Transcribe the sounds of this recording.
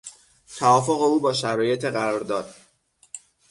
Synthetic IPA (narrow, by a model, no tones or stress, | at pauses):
t̪ʰævɒːfo̞ɣe̞uːbɒːʃæɾɒːje̞t̪ʰeɢæɾɒːɾd̪ɒːd̪̥̚